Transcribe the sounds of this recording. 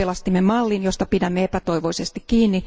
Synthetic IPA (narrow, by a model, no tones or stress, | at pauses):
elɑst̪imːemɑlːinjost̪ɑpidæmːeepæt̪oiʋoisest̪ikkiːnːi